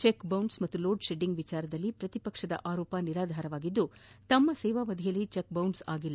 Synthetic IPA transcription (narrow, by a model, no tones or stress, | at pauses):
t͡ʃekbɐwɳɖsmɐt̪ːuloːɖʃeɖiŋɡʋit͡ʃaːɾɐd̪ɐlːipɾɐt̪ipɐkʂɐd̪ɐ̰ʔaːɾɔːpɐniɾaːd̪ʱaːɾɐʋaːɡid̪ːut̪ɐmːɐsɛːʋaːʋɐd̪ʱijɐlːit͡ʃek̚bɐwɳɖsaːɡilː